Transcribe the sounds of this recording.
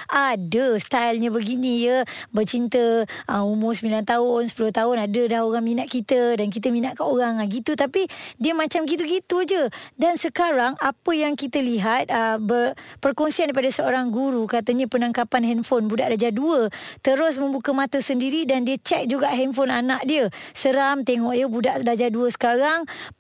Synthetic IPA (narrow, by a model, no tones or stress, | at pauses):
ʔadəst̪ajlɲãbəɡinĩjəbərt͡ʃint̪əəumʊsəmilant̪aʊnsəpulʊht̪aʊnadədahoɾaŋminaʔkit̪ədankit̪̬əmĩnaʔkaoɾaŋaɡit̪ut̪apidiəmãt͡ʃamɡit̪uɡit̪ud͡ʒədansəkaɾaŋapəjaŋkit̪əliɦat̪̚əbərpərkɔnsiandipadasəoɾaŋɡuɾukat̪əɲə̃pənaŋkapanɦɛnfonbudaʔdad͡ʒaduət̪əɾʊs̬mə̃mbukəmãt̪əsəndiɾidandiət͡ʃɛk̚d͡ʒuɡaʔɦɛnfonanaʔ̚diəsəɾamt̪eŋɔʔjəbudaʔdad͡ʒaduəsə̥kaɾaŋ